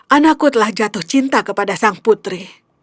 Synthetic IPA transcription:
ʔanakut̪əlahd͡ʒat̪ʊht͡ʃint̪akəpadasaŋput̪ɾi

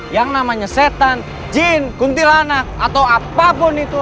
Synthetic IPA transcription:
jaŋnamaɲaset̪an | d͡ʒinkunt̪ilanak̚at̪awapabɔnit̪u

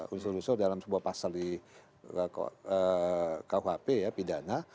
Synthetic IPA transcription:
unsulusʊrdalamsəbuapasaldi | əkauhɦapejapidana

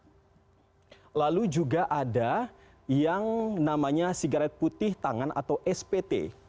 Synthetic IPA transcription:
lalud͡ʒuɡaʔada | jaŋnamaɲasiɡaɾɛt̪̚put̪ɪht̪aŋanʔa̰t̪awʔɛspet̪ḛ

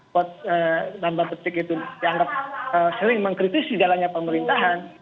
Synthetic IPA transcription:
pɔt̪̚ədambapət̪ɪkit̪udiaŋɡap̚əsəɾɪŋməŋkɾit̪isid͡ʒalanɲapəməɾint̪aɦan

